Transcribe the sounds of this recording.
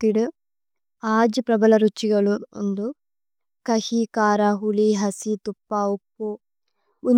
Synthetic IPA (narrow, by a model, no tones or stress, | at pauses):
t̪iɽu | aːd͡ʒɐpɾɐbɐlɐɾut͡ʃːiɡɐɭund̪u | kɐhikaːɾaːɦuliɦɐsit̪upːaːupːu | un